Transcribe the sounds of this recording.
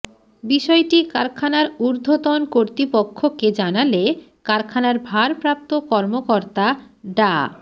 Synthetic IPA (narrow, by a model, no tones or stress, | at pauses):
biʃɔeʈikaɾkʰanaɾuɾd̪ʱot̪onkoɾt̪ɾipokʰːoked͡ʑanale | kaɾkʰanaɾbʱaɾpɾap̚t̪okɔɾmokoɾt̪a | ɖa